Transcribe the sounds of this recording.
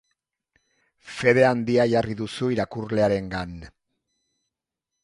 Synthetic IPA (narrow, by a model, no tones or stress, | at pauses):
fe̞ðe̞and̪iaʝariðusuiɾakurle̞aɾe̞ŋɡan